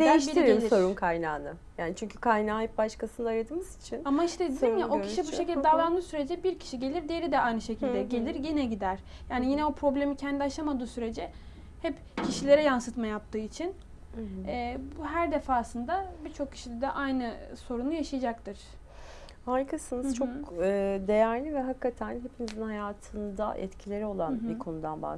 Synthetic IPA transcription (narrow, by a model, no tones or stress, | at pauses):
d̪ejiʃtɟiiɾiiɾso̞ɾunkʰajna̰ːnɯ | jaːnit͡ʃʰyɲcʰykʰajnaːjip̚baʃkasɯnd̪aːɾad̪ɯːmɯzit͡ʃʰinamaiʃt̪ɛd̪inimjaʔo̞cʰi̥ʃibuʃecilʲdd̪ɛd̪alˠand̪ɯːsyɾe̞d͡ʒɛbiɾcʰi̥ʃiɟe̞lʲiɾd̪ejeɾid̪ɛajnɯʃe̞cʰilʲd̪ɛɟe̞lʲiɾjinɛɟid̪æɾ̥ | jaːnijinɛo̞pʰɾo̞blʲe̞micʰɛnd̪iaʃamad̪ɯːsyɾe̞d͡ʒɛ | hɛp | cʰiʃilʲe̞ɾɛjansɯt̪majap̚t̪ʰɯːit͡ʃʰin | ɛːbɦæɾd̪e̞faːsɯnd̪abiɾt͡ʃʰo̞k̚cʰːi̥ʃid̪ʲɛd̪ɛʔajnɯso̞ɾunujaʃajd͡ʒakt̪ʰɯɾ̥ | haɾkʰasɯnɯ̥t͡ʃʰo̞kɯd̪e̞jæɾlʲivɛɦakʰːat̪ʰænɦepʰinizinhajaːt̪ʰɯnd̪a̰ʔɛ̰t̪cʰilʲe̞ɾio̞lˠanbikʰo̞nud̪a̰nba̰